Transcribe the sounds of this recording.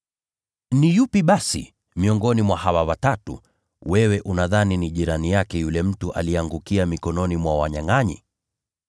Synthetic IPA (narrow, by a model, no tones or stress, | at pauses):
nijupiɓasḭ | miɔŋɡɔnimwahawawatatṵ | wɛwɛʔunaðaniniʄiɾanijakɛjulɛm̩tuʔa̰liɛaŋɡukiamikɔnɔnimwawaɲaŋaɲḭ